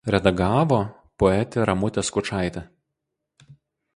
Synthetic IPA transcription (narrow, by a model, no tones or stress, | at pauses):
ɾʲɛd̪ɐɡɑːʋo | pɔɛt̪ʲɪɾɐmʊt̪ʲɛskʊt͡ʃɑˑɪt̪ʲɛ